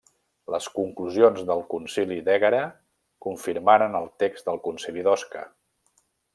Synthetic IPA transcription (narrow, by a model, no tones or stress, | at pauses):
ləskuŋkluzionzðəlˠkunsilid̪ɛɣəɾə | kuɱfiɾmaɾənəlˠt̪ekzd̪əlˠkunsiliðɔskə̰